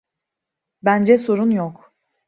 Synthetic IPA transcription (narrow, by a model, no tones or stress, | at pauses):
bænd͡ʒɛso̞ɾunjok